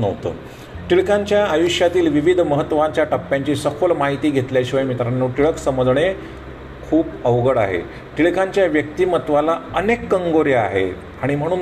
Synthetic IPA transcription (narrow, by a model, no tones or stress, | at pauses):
nəʋt̪ə̰ː | ʈiɭkaɲt͡ɕjaːjuɕjat̪iːlʋiʋid̪ʱməɦət̪ːʋaɲt͡ɕjaʈəpːjaɲt͡ɕiːsəkʰolmaɦit̪iːɡʱet̪ljaɕiʋajmit̪ɾanːoʈiɭəksəməd͡z̪ɳe | kʰuːpəʋɡəɽa̰ɦḛ | ʈiɭkaɲt͡ɕjaʋjək̚t̪iːmət̪ʋalaənekːəŋɡoɾjəa̰ɦḛ | aɽ̃im̤əɽ̃uːn